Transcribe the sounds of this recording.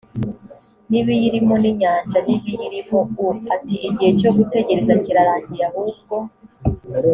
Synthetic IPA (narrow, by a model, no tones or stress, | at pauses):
niβijiɾimoniɲaːnʒaniβijiɾimouatiʔiɟihe̞t͡ʃo̞ɡute̞ɟe̞ɾe̞zaciɾaɾaːɲɟiɾahuːb̚ɡo̞